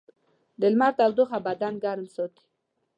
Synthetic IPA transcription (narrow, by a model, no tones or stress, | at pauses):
d̪ɪlmaɾt̪awd̪oχabad̪anɡaɾmsot̪i̥